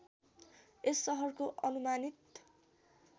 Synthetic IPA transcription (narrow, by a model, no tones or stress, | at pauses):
esːʌɦʌrkoʔʌnumanit̪